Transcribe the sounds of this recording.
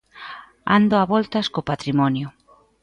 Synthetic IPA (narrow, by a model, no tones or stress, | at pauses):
a̰nd̪oaβɔlt̪ɐskopat̪ɾimɔnjʊ